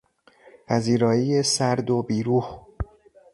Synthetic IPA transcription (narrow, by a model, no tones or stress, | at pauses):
pʰæziːɾɒːiːjesæɾd̪obiːɾuːh